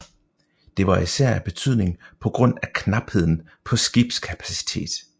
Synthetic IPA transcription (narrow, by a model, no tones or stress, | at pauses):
d̥e̝ʋɑ̈isæɐ̰æb̥e̝t͡sʰyð̰ˠne̝ŋpʰɒ̽ɡ̥ʁɔ̽n̰ækʰnɑ̈b̥he̝ð̞̰ˠn̩ | pʰɒ̽sɡ̥ib̥skʰæpʰæ̥si̥t͡sʰe̝̰ːd̥